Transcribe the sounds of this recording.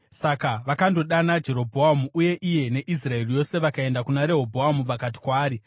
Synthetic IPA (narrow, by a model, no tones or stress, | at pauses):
sakaʋakando̞ɗanad͡ʒe̞ɾo̞bʱoamuʔuje̞ʔije̞ne̞ʔis̬rae̞rijo̞se̞ʋakae̞ndakunaɾe̞ɦo̞bʱoamupakat̬i̥kwaːɾi